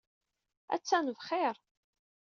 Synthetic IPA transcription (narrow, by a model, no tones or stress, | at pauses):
æ̰t͡sːænvχɪɾ